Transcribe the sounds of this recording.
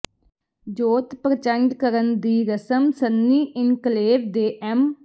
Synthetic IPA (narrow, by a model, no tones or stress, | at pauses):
d͡ʒoːt̪pɾət͡ʃəɳɖkəɾənd̪iːɾəsəmsənːiːʔɪnkleːʋd̪eːʔɛm